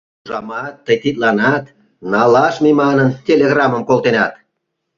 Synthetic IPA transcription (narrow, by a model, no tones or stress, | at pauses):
uʒɑmɑt̪ːəjt̪it̪̚lɑnɑt̪ | nɑlɑʃmimɑnəntʲelʲeɣrɑməmkolˠt̪enɑt̪